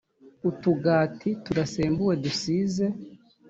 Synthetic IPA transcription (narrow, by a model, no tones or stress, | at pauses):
utuɡaːtʰituɾaseːmbuwe̞dusiːze̞